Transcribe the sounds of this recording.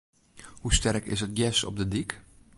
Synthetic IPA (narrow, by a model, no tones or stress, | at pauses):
hustɛrkɪ̰sət̚jɛsɔ̰b̚dədik